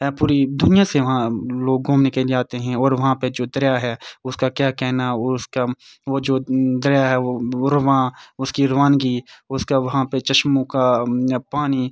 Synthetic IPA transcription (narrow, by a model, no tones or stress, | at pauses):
ɛpuːɾid̪ʊnɪjaseʋɐɦãloːɡːõːmnɪkəld͡ʒaːt̪eɦɛ̃ɔːɾʋɐɦãped͡ʒoːd̪ɐɾjaɦɛːʊskakjaːkɛːɦnaska | ʋod͡ʒoːd̪ɐɾjaɦɛʋoɾɐʋãːʊskiɾɐʋaːnɡiʊskaʋɐɦãpet͡ʃɐʃmõkapaːni